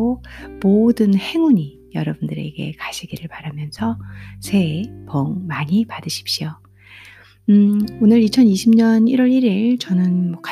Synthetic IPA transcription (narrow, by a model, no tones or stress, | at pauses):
omodɯnhe̞ŋuɲi | jʌɾʌbundɯɾe̞̰ɡe̞̰kaɕʰiɡiɾɯɭpaɾamjʌnsʰʌsʰe̞pʌŋmaɲipadɯɕʰi̥p̚ɕ͈io | onɯɾit͡ɕʰʌniɕʰimɲʌniɾwʌɾiɾiɭt͡ɕʌnɯnmwʌka